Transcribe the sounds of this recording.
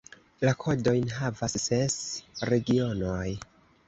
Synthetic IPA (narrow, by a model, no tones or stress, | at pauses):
lakʰo̞do̞jnɦavasːe̞sɾe̞ɡio̞noj